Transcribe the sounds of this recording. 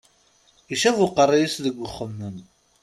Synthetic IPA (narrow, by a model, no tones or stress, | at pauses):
iʃævʊqərˤːijisðəɡʷːəχːəmːən